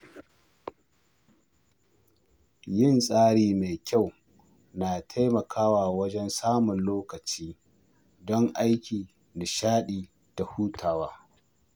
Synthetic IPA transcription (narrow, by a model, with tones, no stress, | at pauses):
jɪ˦˨nsʼaː˦ɽiː˨me˨jkʲa˦˨w | naː˨tʰa˦jmɐ˨kʰaː˦waː˨wɐ˦d͡ʒɛ˦nsaː˦mʊ˨nloː˦kɐ˨t͡ʃiː˦ | dɔ˦ŋʔa˦jkʲiː˨ | da˨ʃaː˦ɗiː˨ | d̥a˨huː˦tʰaː˨waː˦